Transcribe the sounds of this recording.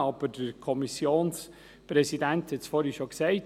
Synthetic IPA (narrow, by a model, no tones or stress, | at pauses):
ɑb̥əd̥əɾkʰɔmisjoːns | pɾɛsidænthɛtt͡sfɔːɾiʃoksɛɪt